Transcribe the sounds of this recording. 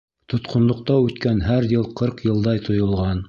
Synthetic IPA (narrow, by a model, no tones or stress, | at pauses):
t̪ŏt̪qʰŏnlˠŏq̚t̪ɑʉt̪kænɦæɾjɤlˠqɤɾqjɤ̆lˠd̪ɑjt̪ʰŏjŏlˠʁɑn